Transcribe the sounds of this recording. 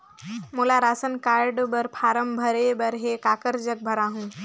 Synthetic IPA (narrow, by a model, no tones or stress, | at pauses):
mulaɾaːsənkaːɾɖbəɾpʰaːɾəmbʱəɾebəɾɦekaːkəɾd͡ʒək̚bʱəɾaːɦũː